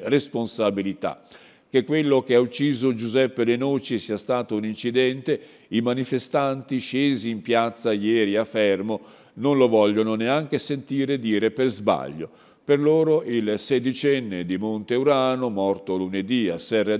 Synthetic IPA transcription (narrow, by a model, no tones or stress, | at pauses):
responsabilit̪a̰ | kekːwelːok̟eaut͡ʃːiːzod͡ʒuzɛpːelenoːt͡ʃisiːast̪aːt̪ounint͡ʃid̪ɛnt̪e | imanifest̪ant̪iʃeːziːmpjat̪sːajɛːɾiafːɛrmo | nonlovɔʎːononeaŋk̟esent̪iːɾed̪iːɾeperzba̰ʎːo̰ | perloːɾoʔilsed̪it͡ʃɛnːed̪imont̪euɾaːnomɔrt̪oluned̪ia̰sɛra